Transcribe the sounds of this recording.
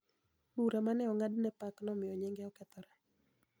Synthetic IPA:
uɾamanɛɔŋadnɛpaknɔmɪɔɲɛŋɡɛɔkɛt̪ɔɾa

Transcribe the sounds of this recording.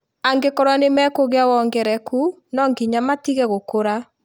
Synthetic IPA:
aŋɡekɔɾwanemɛkoɣeawɔŋɡɛɾɛku | nɔŋɡiɲamatiɣɛɣokoɾa

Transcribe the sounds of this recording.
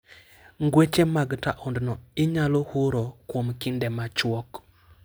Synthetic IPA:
ŋɡwet͡ʃemaɡta̰ʔɔndnɔɪɲalohuɾɔkwomkɪndɛmat͡ʃwɔk

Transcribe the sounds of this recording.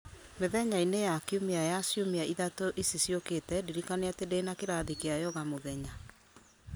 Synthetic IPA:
meðɛɲainejakiumeajasjomeaiðatoʔisisjoketɛdiɾikaneatedeːnakeɾaðikeajɔɣamoðɛɲa

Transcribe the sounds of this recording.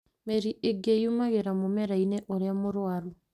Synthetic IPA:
meɾiʔeɡejumaɣeɾamomeɾaineʔoɾeamoɾwaɾu

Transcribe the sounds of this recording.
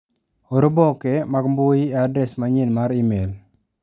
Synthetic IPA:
oɾobɔkemaɡmbojieadɾɛsmaɲenmaɾimel

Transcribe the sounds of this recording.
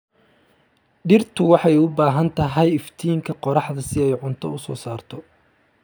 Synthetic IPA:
ɖɪrt̪ʰʊwɑħɑjʊbaːɦɐnt̪ʰɐɦɛjɪft̪ʰiːŋkʰɐqɔɾɑħd̪ɐsɪɛjʕʊnt̪ʰɔ̰ʊsɔ̰ːsaːrt̪ʰɔ

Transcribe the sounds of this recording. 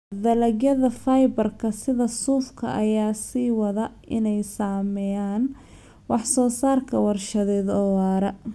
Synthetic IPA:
d̪ɐlɐɡjɐðɐfajbɐrkʰɐsɪðɐsuːfkʰɐ̰ʔɐjaːsiːwɐðɐ | ɪnɛjsaːmɛjaːn | wɑħsɔːsaːrkʰɐwɑrʃɐðɛːðɔːwaːɾɐ

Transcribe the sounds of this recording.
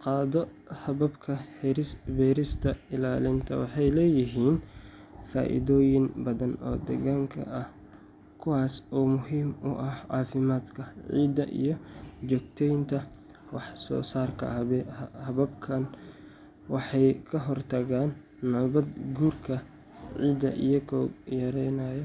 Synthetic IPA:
qɑːðɔ | hɐβɐbkʰɐhɛɾɪsbɛːɾɪst̪ʰɐɪlaːlɪnt̪ʰɐ̰wɑħɑjlɛːjɪɦiːn | fa̰ːʔɪ̰ðɔːjɪnbɐðɐnɔ̰ːd̪ɛ̰ɣaːŋkʰɐ̰ʔɐh | kʰʊwaːsɔːmʊɦiːmʊ̰ʔɐhʕɑːfɪmaːd̪kʰɐʕḭːd̪ɐʔḭjɞd͡ʒɔɡ̚t̪ʰɛjnt̪ʰɐ | wɑħsɔ̰ːsaːrkʰɐ̰hɐβɐb̚kʰɐn | wɑħɑjkʰɐɦɔrt̪ʰɐɣaːnː | ɐβɐd̪ɡuːrkʰɐ | ʕiːd̪ɐ̰ʔijɔkʰɔːɡjɐɾɛjnajɛ

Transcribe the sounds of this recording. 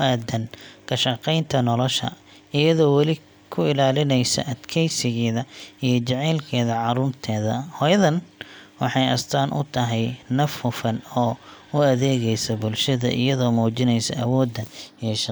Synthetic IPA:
ʊʔaːd̪ɐnkʰɐʃɑqɛjnt̪ʰɐnɔlɔʃɐ̰ | ɪjɐðɔːwɑlɪ | kʰʊɪlaːlɪnɛjsɐ̰ʔɐd̪kʰɛjsɪɣɛːðɐijɞt͡ʃɛʕɛːlkʰɛːðɐʕɑɾʊːrt̪ʰɛːðɐhɔːjɐðɐnwɑħɑjɐ̰st̪ʰaːnʔʊ̰t̪ʰɐɦɛjnɐfhʊfɐnɔː | ʊɐðɛːɣɛjsɐbʊlʃɐðɐ̰ʔɪ̰jɐðɔːmɔːt͡ʃɪnɛjsɐ̰ʔɐwɔːd̪ːɐjɛʃ

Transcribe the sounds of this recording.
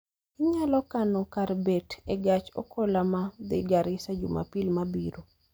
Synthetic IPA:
ɪɲalɔkanokarbɛtɛɡat͡ʃo̰kʰolamad̪ɪɡaɾɪsad͡ʒṵma̰pilmabiɾo

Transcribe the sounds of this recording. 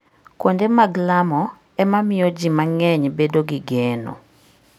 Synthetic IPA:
kwondemaɡlamɔ | ɛmamɪjɔd͡ʒimaŋɛɲbedoɡiɡeno̰

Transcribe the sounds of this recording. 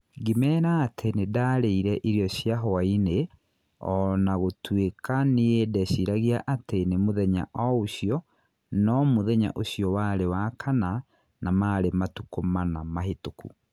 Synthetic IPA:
ɡimɛːɾaːtʰenedaɾeiɾɛʔiɾjɔɕjaɦɔaine | ɔnaɣotwekaneedɛɕiɾaɣiaʔatenemoðɛɲa̰ʔɔoɕijɔ | nɔmoðɛɲa̰ʔoɕjɔwaɾewakʰana | namaɾematukomanamaɦetokṵ

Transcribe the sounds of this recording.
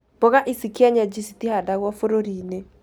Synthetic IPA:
b̥ɔɣaʔisikiaɲad͡ʒisitihadaɣwɔfoɾoɾine

